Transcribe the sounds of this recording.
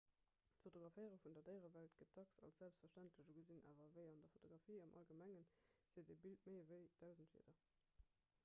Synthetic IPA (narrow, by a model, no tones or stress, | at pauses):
tfotoɡʁɑfəɪəʁəfundɐdəɪʁəvæltɡ̥ət̚dɑksɑ̰lsz̥ælpstfɛʃtæntləʑuɡəzina̰ːvɐvəɪɑndɐfotʰoɡʁɑfiːɑmʔɑ̰lɡəmæŋənz̥eːdebiltməɪvəɪd̥æʊzəntfḭdɐ